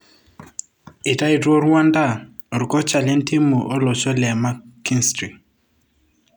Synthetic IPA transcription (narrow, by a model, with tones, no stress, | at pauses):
ɪ˨ta˦ɪ˨dwo˦ɾwa˦nda˦˨ | ɾʊ˨kɔ˦t͡ʃa˨lɛ˦nti˦mu˨ʔɔ˦lɔ˨t͡ʃɔ˦lɛ˨ma˦ki˦nstɾi˨